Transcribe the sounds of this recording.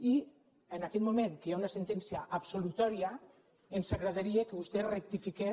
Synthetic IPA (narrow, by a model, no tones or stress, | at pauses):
i | enakɛt̪mumẽŋkeaunasent̪ensjaʔabsolut̪ɔɾia | ensaɣɾaðaɾiekeβust̪erek̚t̪ifike